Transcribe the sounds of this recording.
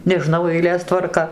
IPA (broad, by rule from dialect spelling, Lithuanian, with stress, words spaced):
nʲɛˈʒnɐʊ ɛɪˈlʲeːs tʋɐrˈkɐ